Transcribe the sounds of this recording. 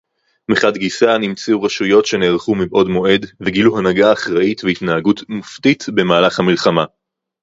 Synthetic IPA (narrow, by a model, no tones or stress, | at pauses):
meχadɡisanimt͡seuʁaʃujo̞tʃe̞neːʁχumibʔo̞dmo̞e̞dveɡiluhanaɡaːχʁaʔitvehitnaaɡutmuftitbe̞maːlaχhamilχama